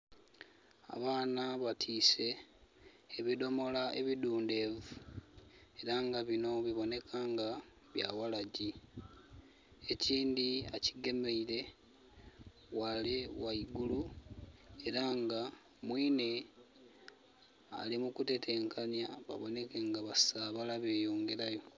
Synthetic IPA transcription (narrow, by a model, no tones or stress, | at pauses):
a̰βaːnaβatʰiːse̞ː | βido̞mo̞laʔḛβiduːnde̞ːvu | e̞ɾaŋɡaβino̞βiβo̞ne̞kʰaːŋɡa | βja̰walaɟi | e̞ciːndiaciɡe̞meile̞ | walewaiɡulu | e̞ɾaŋɡa | mwiːne̞ | a̰limukute̞tʰe̞ːŋkʰanjaβa̰βo̞ne̞keŋɡaβasaβalaβe̞ːjoːŋɡe̞ɾajo̞